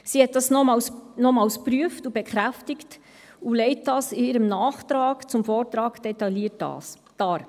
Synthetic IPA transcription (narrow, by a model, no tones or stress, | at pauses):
sihɛt̚d̥ɑsnɔmɑwsnɔmɑːlspɾyəftubɛkχɾæftɪkt | ulɛɪt̚d̥ɑːsɪiːɾəmnɑːχt̪ɾɑːkt͡sʊmfoːɾt̪ɾɑːɡd̥ɛtɑliət̚dɑ̰ːs | tɑːɾ